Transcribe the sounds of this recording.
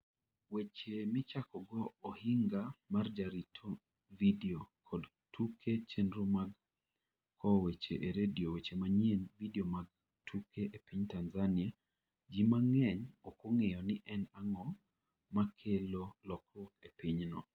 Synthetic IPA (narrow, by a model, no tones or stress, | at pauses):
wet͡ʃemɪt͡ʃakɔɡɔːhɪŋɡamard͡ʒaɾitʰo | videokʰɔd | tʰukʰet͡ʃenɾomaɡ | kʰɔwet͡ʃḛʔeɾediowet͡ʃemaɲenvideomaɡ̚ | tʰukʰeʔepiɲtanzania | d͡ʒimaŋɛɲɔkoŋɛjɔnɪʔɛnaŋɔ | makʰelolɔkrokepiɲnɔ